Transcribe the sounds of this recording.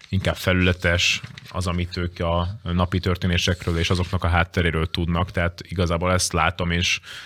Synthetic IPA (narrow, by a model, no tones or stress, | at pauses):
iŋkaːbfɛlylɛt̪ɛʃɒ̰zɒmit̪øːkɒnɒpit̪ørt̪eːneːʃɛkrøːleːʃɒzo̞knɒkɒɦaːt̪ːɛɾeːɾøːlt̪ud̪nɒkt̪ɛɦaːt̪iɡɒzaːboːlɛst̪laːt̪o̞meːʃ